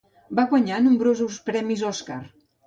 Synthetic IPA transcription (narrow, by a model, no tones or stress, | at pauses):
baɣwaɲanumbɾozuspɾɛmizɔskaɾ